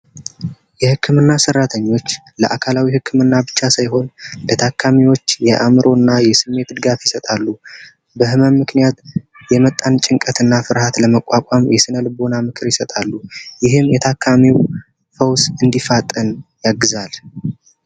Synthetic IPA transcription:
jɛhɨkʰːɨmɨnːasərːat̪ʰəɲːo̞t͡ʃː | lə̰ʔakʰalawihɨkʰːɨmɨnːabɨt͡ʃːasajɦo̞nlət̪ʰakʰːamiwo̞t͡ʃːjɛʔamɨɾo̞nːajɛsɨmːe̞t̪d̪ɨɡafjɪsət̪ʼalːu | bəhɨmənmːɨknijat̪ | jɛmət̪ʼːant͡ʃʼɪŋkʼət̪ʰɨnːafɨɾhat̪ləməkʷʼːakʼamjɛsɨnəlɨbo̞namɨkʰɨɾjɪsət̪ʼalːujɪɦɨmjɛt̪ʰakʰːamiw | fəwsɨnd̪ifat̪ʼːənjaɡːɨzal

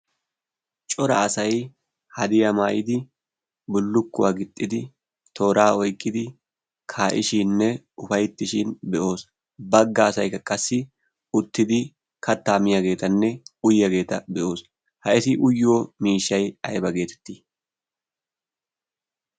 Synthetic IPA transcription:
t͡ʃʼɔɾɐ̰ːsɐj | hɐd̪ɪjɐmaːjɪd̪ɪ | bʊlːʊkːʊwaːɡɪt̪ʼːɪd̪ɪ | t̪ʰo̞ːɾaːɔjkʼːɪd̪ɪ | kʰaːʔɪʃinːɛ | ʊfɐjt̪ːɪʃɪnbɛʔo̞ːs | bɐɡːɐːsɐjkːɐkʼɐsːɪ | ʊt̪ːɪd̪ɪ | kʰɐt̪ːaːmɪjɐɡe̞ːt̪ɐnːɛʊjːɐɡe̞ːt̪ɐbɛʔo̞ːs | hɐʔɛsɪʔʊjːoːmiːʃːɐjɐjbɐɡe̞ːt̪ɛ̥t̪ːiː

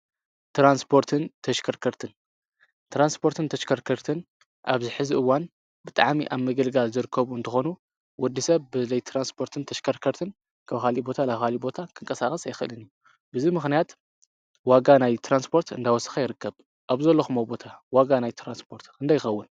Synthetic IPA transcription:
t̪ʰɾanspʰo̞ɾt̪ʰɨnt̪ʰɐʃkʰɐɾkʰɐɾt̪ʰɨn | t̪ʰɾanspʰo̞ɾt̪ʰɨnt̪ʰɐʃkʰɐɾkʰɐɾt̪ʰɨn | ʔaβzɨħɨziʔɨwːan | bɨt̪ʼa̰ʕmiʔaβmɨɡɨlɡalzɨɾɨkʰːɐβuɨnt̪ʰɨxo̞nu | wɔd̪ːisɐβbɨlɐjt̪ʰɾanspʰo̞ɾt̪ʰɨnt̪ʰɐʃkʰɐɾkʰɐɾt̪ʰɨn | kʰaβkalibo̞t̪ʰalaβkʰalibo̞t̪ʰakʰɨŋkʼɐsaxʼɐsajɪxʔɨ̰lɨniju | bɨzimɨxnijat̪ | waɡanajt̪ʰɾanspʰo̞ɾt̪ɨnd̪awɔsɨ̥xajɪɾɨkʰːɐβ | ʔaβzɐlːoxɨmobo̞t̪ʰawaɡanajt̪ʰɾanspʰo̞ɾt̪kɨnd̪ajɪxɐwːɨn

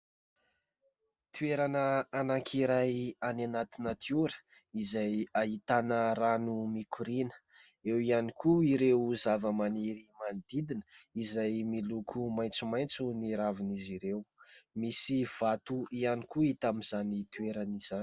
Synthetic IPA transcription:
t̪ʰueɾanəːnaŋkʰiɾajananat̪inət̪iuɾə̥ | izajaɦit̪anəɾanumikʰuɾinə̥ | ewianikʰuiɾewzavəmaniɾimand̪̥id̪inə̥izajmilukʰumajnt͡sumajnt͡suniɾaviniziɾewmisiv̥at̪uianikuit̪amizanit̪ueɾaniz̥an

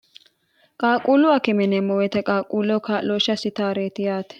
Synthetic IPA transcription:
kʼaːkʼuːlʊwɐkɪmɛnɛmɔwɛt̪ɛkʼaːkʼːuːlɔkaːloːʃɐsɪt̪aːɾeːt̪ɪjaːt̪ɛ̥

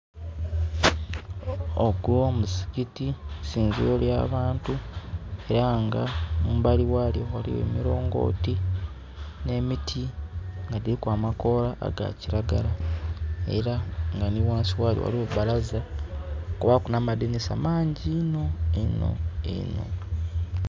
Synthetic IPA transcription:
oɡomusi̥kitisiːnziolja̰ːβaːntue̞ɾaŋɡamumbaliwaljo̞walḭwe̞̰ːmiɾo̞ːŋɡo̞̰ːti | ne̞mitʰiŋɡadiɾikwaːmako̞laʔːɡa̰ciɾaɡala | e̞̰ɾaŋɡaniwaːnsiwaːlijowa̰lio̞ββalaza | kuβakunamadenesa̰maːɲɟino̞eno̞̰ḛno̞̰

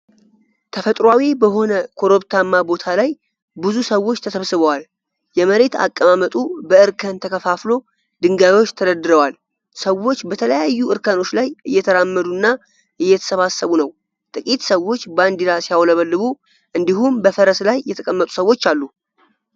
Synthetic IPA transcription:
t̪ʰəfət̪ʼɾwawibəɦo̞nəkʰo̞ɾo̞βt̪ʰamːabo̞t̪ʰalaj | bɨzusəwːo̞t͡ʃːt̪ʰəsəβsɨβəwal | jɛməɾe̞t̪a̰kʼːəmamət̪ʼubəɨɾkʰənt̪ʰəkʰəfaflo̞ | d̪ɨŋɡaβiwo̞t͡ʃːt̪ʰəɾəd̪ɨɾəwal | səwːo̞t͡ʃːbət̪ʰələjajːuʔɨɾkʰəno̞t͡ʃːlajʔɨjːɛt̪ʰəɾamːəd̪unːa | ʔɨjːɛt̪ʰə̥səβasːəβunəw | t̪ʼɨkʼit̪səwo̞t͡ʃːband̪iɾasijawləβəlːɨβu | ʔɨnd̪iɦumbəfəɾəslajːɛt̪ʰəkʼəmːət̪ʼu̥səwːo̞t͡ʃːalːu

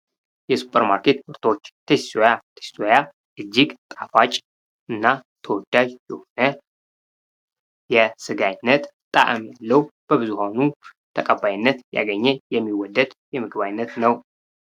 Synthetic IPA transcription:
jɛsu̥pʼəɾmaɾkʰe̞t̪ɨɾt̪ʰo̞t͡ʃːt̪ʰessojat̪ʰə̥ssʰoja | ʔɨd͡ʒːiɡt̪ʼafat͡ʃʼ | ɨnːa | t̪ʰəwɔd̪ːaʒjɛho̞nə | jɛsɨɡajnːət̪t̪ʼːa̰ʔɨmjalːəhub̥əβɨzuhawnu | t̪ʰəkʼəbːajɪnːət̪ja̰ɡəɲːɛjɛmːiwɔd̪ːəd̪jɛmɨɡɨβajnːət̪nəw

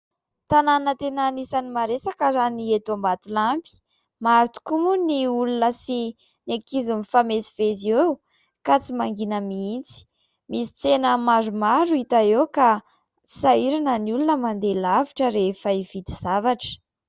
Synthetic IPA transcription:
t̪ananət̪enanisanimaɾesakəzaniet̪ambat̪ulampi̥ | maɾt̪u̥kumuniulunəsi | nekizimifamesi̥vezew | kat͡simaŋɡinəmiint͡si̥ | misi̥t͡senəmaɾumaɾuit̪aewka | saiɾanəniulunəmand̪elaviʈ͡ʂəɾefəivid̪iz̥avaʈ͡ʂə̥

